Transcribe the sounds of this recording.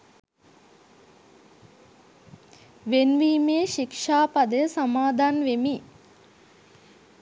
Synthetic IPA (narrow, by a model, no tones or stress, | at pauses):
ʋenʋiːmeːʃikʂaːpad̪əəsamaːd̪ʱanʋemi